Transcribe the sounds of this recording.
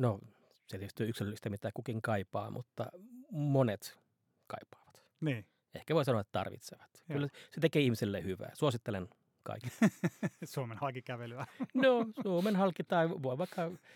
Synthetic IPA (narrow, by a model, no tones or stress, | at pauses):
no | set̪ieyst̪ːyøyksilølist̪æmit̪æːkukiŋkɑipɑ̰ːmʔṵt̪ːɑ̰monet̪ | kɑ̰ipːˑɑ̥ːʋɑ̥t̪ | niː | ehkæʋoˑisɑnoɑet̪ːt̪ɑ̰rʋḭt̪seʋæt̪kylːæset̪ekeːihmiselːehyʋæ̰ːsuosit̪ːelen | kɑ̰iki | suomenhɑlkikæʋelyænosuomenhɑlkit̪ɑiʋoiʋɑikːɑ